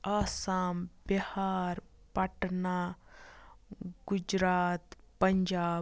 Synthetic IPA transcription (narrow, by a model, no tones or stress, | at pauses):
aːsaːmbihaːɾ | pɐʈnaː | ɡ̥ud͡ʒɾaːt̪ | pɐɲd͡ʒaː